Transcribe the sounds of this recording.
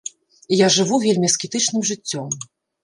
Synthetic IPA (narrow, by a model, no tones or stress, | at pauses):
ijaʐɨvuvʲelʲmʲiskʲit̪ɨt͡ʂnɨmʐɨt͡sʲːɔm